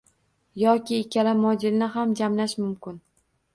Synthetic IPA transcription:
jɒkʲʰɪːkʲʰaɾamɒd͡ʒɪɾnɪɦamd͡ʒamlaʃmʊmkʲɪn

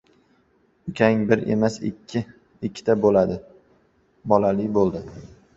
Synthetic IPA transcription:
ʊkʲʰaŋbɪɾḛmasɪ̰ɪ | ɪkʲʰːɪ̥t̪ʰabolad̪ɪ | bɒlalɪbolˠd̪ɪ

